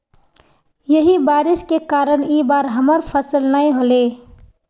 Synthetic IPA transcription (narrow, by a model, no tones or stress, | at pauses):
jəɦibaːɾɪskekaːɾəniːbaːɾɦəməɾpʰəsəlnəĩɦole